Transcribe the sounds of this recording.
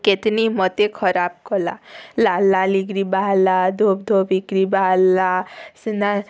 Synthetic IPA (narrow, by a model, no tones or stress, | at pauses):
ket̪nimɔt̪ekʰɔɾap̚kɔla̰lalːaliɡɾibaɦlad̪ʱob̚d̪ʱobikɾibalasɨna